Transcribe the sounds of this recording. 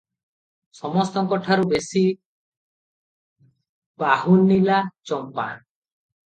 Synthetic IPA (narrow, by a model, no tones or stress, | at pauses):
sɔmɔst̪ɔkɔʈʰaɾubesi | pahunːilat͡ʃɔmpa̰n